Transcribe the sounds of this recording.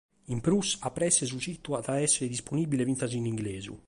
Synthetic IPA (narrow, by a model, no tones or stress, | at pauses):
impɾusapːɾɛsːes̬ut͡ʃit̪ːuat̪aɛsːeɾed̪isponibilevinaz̬iniŋɡlɛːzṵ